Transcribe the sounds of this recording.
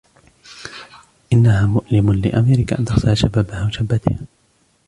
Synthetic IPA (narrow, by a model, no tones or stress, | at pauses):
ʔɪnːahaːmʊʔlɪmʊnlɪ̰ʔamiːɾɪkaʔa̰nt̪ɑxsˤɪlaʃabaːbahaːwaʃabːat̪ɪh